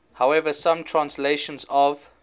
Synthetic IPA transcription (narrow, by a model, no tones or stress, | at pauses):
hawɛvəsãmtʰɹ̥ãnsleʃə̃nzɔv